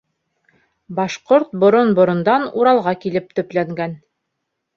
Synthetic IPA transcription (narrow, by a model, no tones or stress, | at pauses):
bɑʃqoɾt̪̚bŏɾonbŏɾŏnd̪ɑnuɾɑlˠʁɑkilɘp̚t̪ɵ̆plæŋɡæn